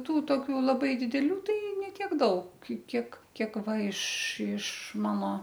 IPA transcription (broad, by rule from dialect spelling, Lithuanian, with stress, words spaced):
ˈtuː ˈtoːkʲuː lˠɐˈbɐɪ dʲɪdʲɛˈlʲuː ˈtɐɪ nʲɛ ˈtʲiɛk ˈdɐʊk ˈkʲiɛk ˈkʲiɛk ˈʋɐ ɪʃ ɪʃ ˈmɑːnoː